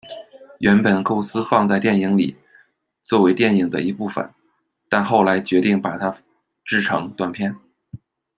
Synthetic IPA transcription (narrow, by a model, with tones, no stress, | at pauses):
ɥɛ˧˥npə˨˩nko˥˩ʊsɹ̩˥fɑ˥˧ŋt͡sa˥˧ɪt̪jɛ˥˩ni˧˥˩ŋlḭ˨˩ | t͡swɔ˥˩we˧˥ɪt̪jɛ˥˩ni˨˩ŋd̪ə̰˦i˧˥pu˥˩fə̰˨˩n | t̪a˥˧nxo˥˩ʊla˧˥ɪt͡ɕɥɛ˧˥t̪i˥˩ŋpa˨˩t̪ʰa˥ | ʈ͡ʂɻ̩˥˩ʈ͡ʂʰɤ˧˥ŋt̪wa˥˩npʰjɛ˥˩n